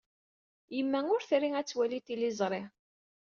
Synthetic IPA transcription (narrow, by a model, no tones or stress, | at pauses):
jəmːæʊɾθɾiæt͡sːwælit̪ilɪzˤɾˤɪ